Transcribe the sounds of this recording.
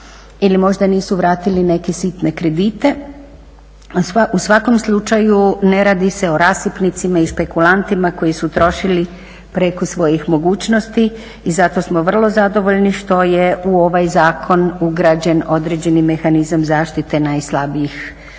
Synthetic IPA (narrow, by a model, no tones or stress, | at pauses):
ilimo̞ʒd̪aniːsuʋɾaːt̪iline̞kesit̪ne̞kɾe̞d̪it̪e̞ | usʋako̞mslˠut͡ʃajune̞ɾaːd̪ise̞o̞ɾaːsipnit̪simaiʃpe̞kulˠant̪imako̞jisut̪ɾo̞ʃili | pɾekosʋo̞jixmo̞ɡuːt͡ɕnost̪iː | zat̪o̞smo̞ʋr̩lˠo̞zad̪o̞ʋo̞ʎniʃt̪o̞jeʔuo̞ʋajzaːkʰo̞nuɡɾad͡ʑe̞no̞d̪ɾed͡ʑe̞nime̞xanizamzaːʃt̪it̪e̞najslˠabiix